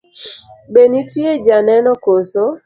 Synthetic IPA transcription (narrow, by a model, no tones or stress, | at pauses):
benitied͡ʒanɛnɔkoso